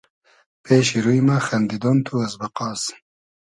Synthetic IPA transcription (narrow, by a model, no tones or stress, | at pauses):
pʰeʃiɾujmaxɐnd̪id̪ont̪ʰuɐzbɐqɑːs